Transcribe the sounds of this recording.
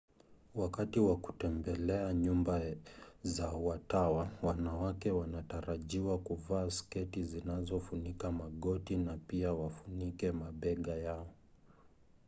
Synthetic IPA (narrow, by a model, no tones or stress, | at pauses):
wakatiwaku̥tɛmbɛlɛaɲumbazawatawawanawakɛwanataɾaʄiwakuvaːskɛtizinazɔfunikamaɠɔtinapiawafunikɛmaɓɛɠajaɔ